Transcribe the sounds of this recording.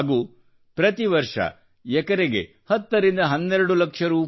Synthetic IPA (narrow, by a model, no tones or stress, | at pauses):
ɡuː | pɾɐt̪iʋɐɾʂɐ̰ | ɛkɐɾeɡe̞̰ | hɐt̪ːɐɾind̪ɐɦɐnːɛɾɐɽulɐkʂɐɾuː